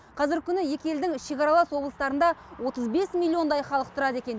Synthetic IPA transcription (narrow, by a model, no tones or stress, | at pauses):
qʰɑzɪɾɪkʲʰʏnɪje̞kʲeeld̪ɪŋʃe̞kʲɑɾɑlˠɑswo̞blˠəst̪ɑɾənd̪ɑwo̞t̪əzbe̞smʲilʲːio̞nd̪ɑjχɑlˠəq̚t̪ʰʊɾɑd̪e̞kʲe̞n